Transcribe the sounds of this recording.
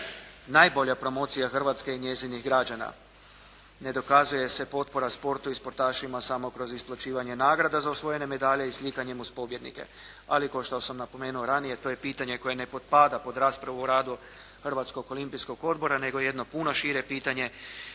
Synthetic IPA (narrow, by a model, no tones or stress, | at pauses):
naːjbo̞ʎapɾo̞mo̞t̪sijaxr̩ʋat̪ske̞iɲe̞ziniɣɡɾad͡ʒana̰ | ne̞d̪o̞kazuje̞se̞po̞t̪̚po̞ɾaspo̞ɾt̪uispo̞ɾt̪aːʃimasamo̞kɾo̞zisplˠat͡ɕiːʋaɲe̞naːɡɾad̪azausʋo̞je̞ne̞me̞d̪aʎeislikaɲe̞muzpo̞bje̞d̪nḭke̞̰ | alikaoʃt̪osamnapo̞me̞ːnuoɾanije̞t̪o̞je̞piːt̪aɲe̞ko̞je̞ne̞po̞t̪̚paːd̪apo̞d̪ɾaːspɾaʋuɾaːd̪u | xrʋat̪sko̞ko̞limpisko̞ɡo̞d̪bo̞ɾane̞ɡoje̞d̪no̞punoʃiɾepiːt̪aɲe̞